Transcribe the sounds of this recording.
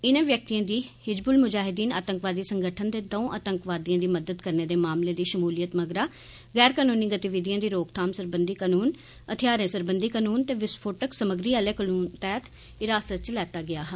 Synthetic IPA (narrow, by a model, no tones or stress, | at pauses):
ɪnãːʋjək̚t̪ijãːd̪iːhɪd͡ʒbʊlmʊd͡ʒaːɦɪd̪iːna̰ːt̪əŋkʋaːd̪iːsəŋɡəʈʰənd̪eːd̪õːʔaːt̪əŋkʋaːd̪ijãːd̪iːməd̪əd̪kəɾneːd̪eːmaːmleːd̪iːʃəmuːlijət̪məɡɾaː | ɣɛːɾkaːnũːniːɡət̪iʋɪd̪ijãːd̪iːɾoːkt̪ʰaːmsəɾbənd̪iːkaːnuːn | ət̪ʰɪjaːɾẽːsəɾbənd̪iːkaːnuːnt̪eːʋɪspʰoːʈəksəməɡɾiːaːlɛːkənuːnt̪ɛːt̪ | ɪɾaːsət̪̚t͡ʃəlɛːt̪aːɡɪaːɦ